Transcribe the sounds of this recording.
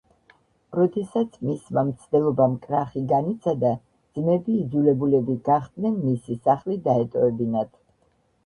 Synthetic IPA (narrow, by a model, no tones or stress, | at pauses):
ɾɔd̪ɛsat̪sʰmismamt̪sʰd̪ɛlˠɔbamkʼɾaχiɡanit̪sʰad̪a | d̪z̥mɛbiːd̪zulɛbulɛbiɡ̥aχd̪nɛnmisisaχlid̪aɛt̪ʼɔɛbinat̪ʰ